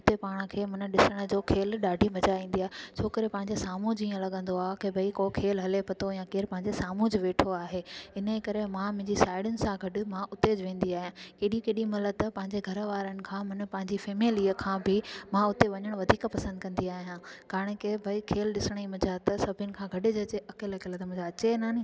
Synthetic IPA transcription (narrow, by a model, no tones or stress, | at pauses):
ʊt̪epaːɽ̃ə̆kʰeːmʊnəɗɪsəɽ̃ə̆d͡ʑoːkʰeːlɗaːɖʱimɐd͡ʑaʋĩːnd̪iaːɦet͡ɕʰoːkəɾepɐ̃ɦɪ̃ɲd͡ʑesaːmũd͡ʑiːə̃lɐɠə̃nd̪oaːkebʱɐikokʰeːlɦɐlepʰɐt̪ojãːkeːɾpɐ̃ɦɪ̃ɲd͡ʑesaːmũd͡ʑɪʋeːʈʰoaːɦeːɪnəkɐɾemãmʊ̃ɦɪɲd͡ʑisaːɪɽʊnɪ̆sãɡʱɐɗʊ̆mãʔʊt̪ed͡ʑʋẽːnd̪iaːɦijãːkeːɗikeːɗimɐləd̪̚t̪ɐpɐ̃ɦɪ̃ɲd͡ʑeɡʱɐɾʋaːɾənɪ̆kʰãːmɐn̆pɐ̃ɦɪ̃ɲd͡ʑifeːmiliːəkʰãːbɪmãʊt̪eʋɐɲəɽ̃ʋɐd̪ʱiːkpɐsə̃nd̪kɐ̃nd̪iaːɦijãːkaːɾəɽ̃kebʱɐikʰeːlɗɪsɪɽ̃imɐd͡ʑat̪ɐsɐbʱɪʊnɪ̆kʰãːɡʱɐɖɪd͡ʑɐt͡ɕeʔɐkelɐkelət̪ɐm̃d͡ʑaɐt͡ɕenaːnĩ